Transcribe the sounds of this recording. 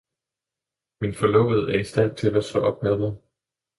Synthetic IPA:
minfɒ̽lɔ̰ʊð̩ˠæɐisd̥æn̰t͡sʰe̝læsɒ̽ʔɒ̽b̥̚meðˠɐ

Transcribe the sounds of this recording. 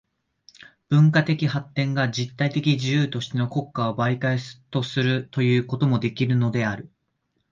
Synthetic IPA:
b̥ɯ̟̃ŋkat̪e̞kʲiɦat̪ːẽ̞ŋɡad͡ʑit̪ːait̪e̞kʲid͡ʑijɯ̟ːt̪o̞ɕi̥t̪e̞no̞ko̞kːao̞baik̪aest̪o̞sɨɾɯ̟t̪o̞jɯ̟ːko̞t̪o̞mo̞d̪e̞kʲiɾɯ̟no̞d̪e̞aɾɯ̟

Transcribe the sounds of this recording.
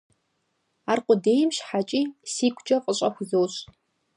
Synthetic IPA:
aːrqʷʊdeːjɪmɕħat͡ʃʼiːsiːkʷʰʼt͡ʃʼɐqʼəɕʼɐxʷʊzowɕ

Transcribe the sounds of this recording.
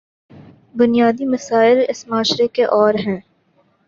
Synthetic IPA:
bʊnijaːd̪imɐsaːɪlɪsmaːʃɾekeʔɔːɾɦɛ̃ː

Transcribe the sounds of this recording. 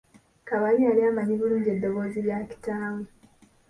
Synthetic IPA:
kaβaɲialiamaɲiβuɲɟedːoβoziβjaki̥taːwe

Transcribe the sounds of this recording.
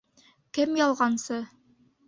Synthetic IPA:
kɘmjɑlˠʁɑnsɤ

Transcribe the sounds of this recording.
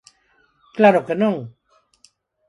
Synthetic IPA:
klaɾokenoŋ

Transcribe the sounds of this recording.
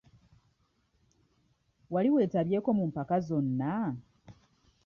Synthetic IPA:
waliwe̞ːtaβje̞ːko̞mumpakazo̞nːa

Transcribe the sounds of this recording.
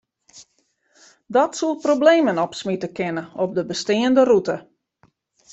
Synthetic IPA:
dɔtsulˠprobleːmənɔpsmitəkɪnəɔp̚dəbəstɪːəndərutə

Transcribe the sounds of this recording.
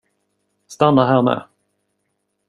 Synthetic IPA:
st̪anːaɦæːɾmɛ̰ː

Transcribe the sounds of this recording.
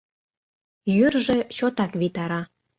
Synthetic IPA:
jyrʒĕt͡ɕot̪ɑkβit̪ɑɾɑ

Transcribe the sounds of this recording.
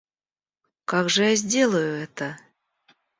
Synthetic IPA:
kaɡʐɨjazʲdʲe̞lˠəjʊɛt̪ə

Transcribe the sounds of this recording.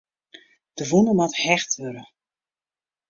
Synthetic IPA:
d̥əvunəmathɛxtʋøɾə

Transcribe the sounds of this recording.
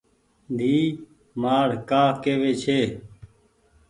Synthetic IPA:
d̪ʱiː | maːɽkaːkeːʋeːt͡ʃʰeː

